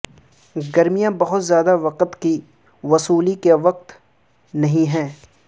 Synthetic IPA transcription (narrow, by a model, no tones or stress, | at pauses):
ɡɐɾmijãbɐɦʊt̪zjaːd̪aʋɐqət̪ki | ʋɐsuːlikeʋɐq̚t̪ | nɐɦĩɦɛ̃ː